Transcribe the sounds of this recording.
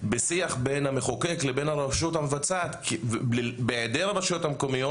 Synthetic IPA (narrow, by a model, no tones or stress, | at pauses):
besiaχbe̞nhameχokeklebenaɾaʃuthamevat͡saːt̪k | beed̪eɾaɾaʃothamko̞mijo